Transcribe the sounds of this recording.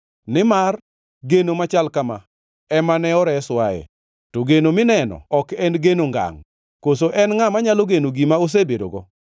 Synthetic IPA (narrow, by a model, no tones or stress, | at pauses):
nɪmar | ɡenomat͡ʃalkama̰ | ɛmanɛɔɾɛswajɛ̰ | toɡenomɪnɛnɔ̰ɔkɛnɡenoŋɡa̰ŋ | kosoʔɛnŋamaɲaloɡenoɡimaos̬ebedo̰ɡɔ̰